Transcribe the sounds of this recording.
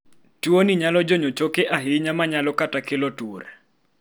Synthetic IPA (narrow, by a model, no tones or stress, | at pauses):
tuoniɲalɔd͡ʒoɲot͡ʃokeʔaɦɪɲamaɲalɔkatakelotuoɾ